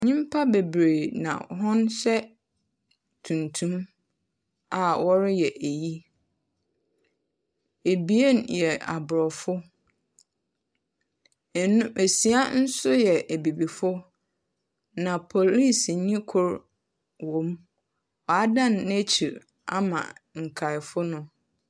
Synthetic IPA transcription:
ɲĩ˦m˦pʰa˦be˨bɾe˨nã̰˨ɦɔ̃˦nsɛ˦ | tʰũ˨ntʰũ˦m | a˨wɔ˦ɾɪ˦jɛ˨ʔæ˨ji˦ | e˨bi˨˦e˦˨njɛ˨a̰˨bʊ˨ɾɔ˨fʊ˦˨ | nũ˦ʔæ˨si˨a˦n̩˦sʊ˦jɛ˨ʔæ˨bi˨bi˨fʊ˦ | nã˨pʰo˨li˦sɲĩ˦kʰʊ˦ɾ | wɔ̃˨m | ɔ˨a˦dã˦˨nːe˦t͡ɕʰi˨ɾ | a̰˦mã̰˨ŋ̩˨kʰa˨ɪ˨fʊ˦nʊ̃˦

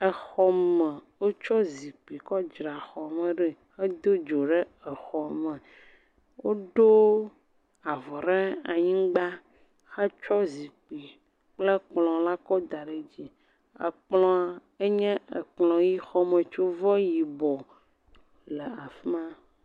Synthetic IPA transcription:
ɛ˨xɔ˦mɛ˨wo˦t͡ʃɔ˦zi˨k͡pi˨kɔ˦d͡ʒɾa˨xɔ˨me˨ɖɛ˨xe˦d̪o˦d͡ʒo˨ɖe˦ɛ˨xɔ˨mɛ̃˨ | wo˦ɖo˦ | a˨vɔ˨ɖe˦a˨ɲĩ˦ɡ͡ba˦ | xɛ˦t͡ʃɔ˦zi˨k͡pi˨ | k͡ple˦k͡plɔ̃˨la˦kɔ˦d̪a˨ɖe˨d͡ʑi˦ | ə̰˨k͡plɔ̃˨˦˨ | e˦ɲɛ̃˦ə˨k͡plɔ̃˨ji˦xɔ˦me˨t͡ʃo˦vɔ˦ji˨bɔ˨ | le˨a˨fi˦mã˦

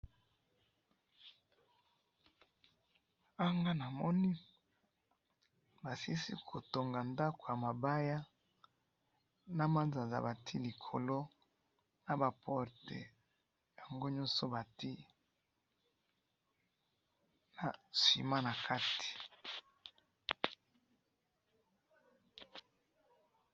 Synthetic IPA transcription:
a˦ŋɡa˦na˨mɔ˦ni˦ | ba˨si˦sḭ˦kʰo˨to˨ŋɡa˨nda˦ko˨ja˨ma˨ba˦ja˦ | na˨ma˦nza˨za̰˨ba˨tʰi˦li˨kʰo˨lo˦ | na˨ba˨pʰɔ˦ʁtḛ˨ | ja˨ŋɡo˦ɲɔ̃˦so˨ba˨ti˦ | na˨sḭ˨ma˦na˨kʰa˦tʰi̥˨

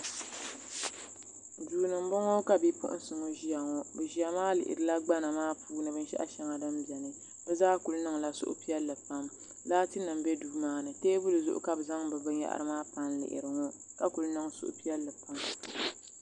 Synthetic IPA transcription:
duː˨nɨ˨m˦bɔ˦ŋɔ˦ka˨bi˦pʊ̰˦ʔʊ̰˦n˦sɨ˨ŋo˦ʒi˦a˨ŋɔ˦bɨ˨ʒi˦a˨maː˦lɪ̰˨ʔɪ̰˨ɾɨ˨la˦ɡ͡ba˦na˨maː˦puː˦nɨ˦bɨ˦n̩˦ʃɛ̰˦ʔa̰˦ʃɛ˦ŋa˨dɨ˦mbɛ˨nɨ˦ | bɛ˦zaː˦ku˨lnɨ˦ŋla˦sʊ̰˦ʔʊ̰˦pi˦ɛ˦lːɨ˨pa˦m | laː˦tɨ˦nɨ˨m˨be˦duː˦maː˦nɨ˨teː˦bʊ˦lɨ˨zʊ˦ʔʊ̰˦ka˦bɨ˨za˦ŋbɨ˨bɨ˦ɲ˦a̰˦ʔa̰˦ɾɨ˦maː˦pa˦nlɪ̰˨ʔɪ̰˨ɾɨ˨ŋɔ˦ka˦ku˨lnɨ˦ŋsʊ̰˦ʔʊ̰˦pi˦ɛ˦lːɨ˨pa˦m

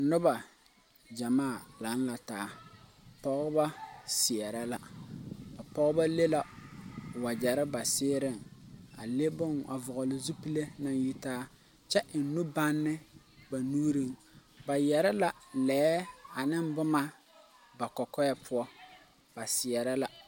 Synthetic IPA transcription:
nʊ˦ba˨ | d͡ʒa˨maː˦˨la˨˦nla˨taː˨˦˨ | pɔ˦ɣʊ˦ba˦sɪ˨ɛ˨ɾa˦la˦ba˨pɔ˦ɣba˦le˦la˨ | wa˨d͡ʒa˨ɾɪ˦ba˨sɪː˦ɾɪ˦˨ŋa̰˨le˦bʊ˦ŋʔa̰˨vʊ˨ɣʊ˨lɪ˨zu˦pi˦le˦na˨n˦ji˦taː˦ | t͡ʃɛ˦ʔn̩˦nʊ˦ba˦nːɪ˦ | ba˨nuː˦ɾi˦ŋ | ba˨jɛ˨ɾɪ˦la˨lɛː˨˦a˨nɪ˦mbʊ˦ma˦ | ba˨kɔ˨kɔ˦jɛ˦pʊ˦ɔ˦ | b̥a˨sɪ˨ɛ˨ɾa˦la˦

